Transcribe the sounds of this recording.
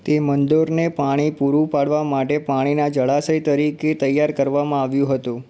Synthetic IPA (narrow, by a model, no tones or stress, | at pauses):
t̪emənd̪oɾnepaɽ̃ipuɾũpaɭʋamaʈepaɽ̃inad͡ʒəɭasəjt̪əɾiket̪əjːaɾkəɾʋamãaʋjũɦət̪ũ